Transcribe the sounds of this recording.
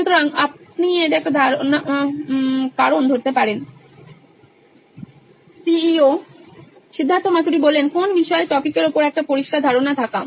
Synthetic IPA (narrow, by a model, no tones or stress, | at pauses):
ʃut̪oɾaŋap̚nieʈɛkad̪ʱaɾona | kaɾond̪ʱoɾt̪epaɾen | siio | ʃid̪ʱːant̪omat̪uɾibolːenkonbiʃɔeʈɔpikeɾopoɾɛk̚ʈapoɾiʃkʰad̪ʱaɾonat̪ʰaka